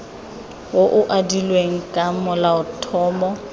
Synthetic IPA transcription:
woʔʊʔadilweŋ̩kʼamʊlaʊtʰɔːmɔ

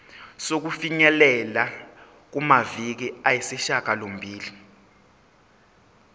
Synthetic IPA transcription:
sok̬ufiɲɛlɛla | k̬umavik̬iajisiʃak̬ʼalom̩bʱiːli

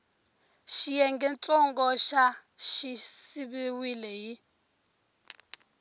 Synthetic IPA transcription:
ʃijɛŋɡɛnt͡sʼɔŋɡɔʃa | ʃisiβiwilɛji

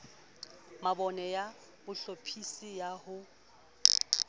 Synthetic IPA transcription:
mabɔnɛja | bʊɬopʰisijahʊ

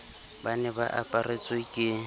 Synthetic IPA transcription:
banɛba̰ʔapʼarɪt͡sʼɪkʼɪ

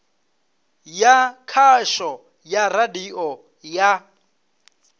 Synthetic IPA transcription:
jakʰaʃɔ | jaradiʔɔ | ja

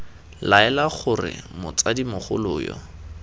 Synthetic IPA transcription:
laɛlaχʊrɪ̰mʊt͡sadimʊχʊlʊːjɔ̰

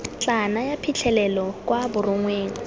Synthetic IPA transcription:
t͡ɬʼanajapʰit͡ɬʰɛlɛlɔkʼwabʊrʊŋweːŋ̩

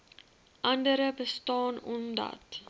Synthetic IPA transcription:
ʔɐndəɾəbəstɑːnɔmdɐ̰t

